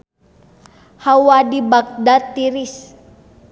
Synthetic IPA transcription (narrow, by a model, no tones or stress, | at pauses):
hawadibak̚dat̪ːiɾis